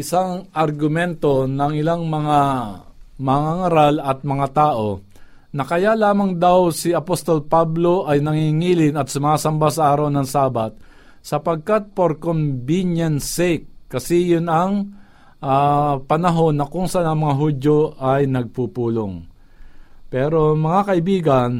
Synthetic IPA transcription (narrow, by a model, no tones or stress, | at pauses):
ʔɪsaŋʔɐɾɡʊmɛnt̪o̞nɐŋɪlaŋmɐŋa | mɐŋaŋɐɾalɐt̪̚mɐŋat̪aːʔo̞ | nɐkɐjalaːmɐŋd̪awsɪɐpost̪olpablo̞ʔɐjnɐŋiŋiːlɪnɐt̪sʊmaːsɐmbasɐʔaːɾɐwnɐŋsaːbat̪̚ | sɐpɐɡ̚kat̪̚poɾkombinjɐnsɛk̚ːɐsɛjʊnɐŋ | ʔapɐnɐɦo̞nːɐkʊŋsɐanɐŋmɐŋaɦudjoʔajnɐɡ̚pupuːloŋ | pɛːɾomɐŋakɐʔɪbiːɡɐn